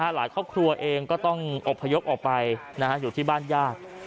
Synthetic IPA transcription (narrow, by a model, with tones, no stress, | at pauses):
a˦˥laː˩˦jkʰɔː˥˩p̚kʰɾu˧ɐʔeː˧ŋkɔː˥˩t̪ɔ˥˩ŋʔo˨˩pʰːa˧jo˦˥p̚ʔɔː˨˩k̚pa˧jna˦˥kʰa˦˥juː˨˩t̪ʰiː˥˩baː˥˩njaː˥˩t̪̚